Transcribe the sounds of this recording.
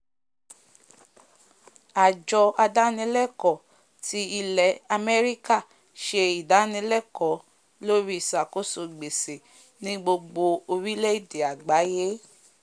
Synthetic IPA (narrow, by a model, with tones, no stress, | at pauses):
a˨d͡ʒɔ˧a˧da˦nĩ˧˦lɛ˦˨kɔ˨ | ti˨˦i˧lɛ˨˦a˧mɛ˦ɾi˦ka˦˨ | ʃe˧i˨da˨˦nĩ˧˦lɛ˦˨kɔ˨˦ | lo˦ɾi˦˨sa˨ko˦so˧ɡ͡be˨se˨ | nĩ˦ɡ͡bo˧ɡ͡bo˧o˧wi˦le˦i˦˨de˨a˨ɡ͡ba˨˦je˦